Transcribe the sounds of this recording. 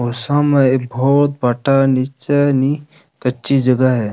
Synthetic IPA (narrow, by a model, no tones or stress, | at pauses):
oːsãmẽebʱɔːt̪̚baːʈanit͡ʃeni | kətːt͡ʃid͡ʒəɡəɦɛ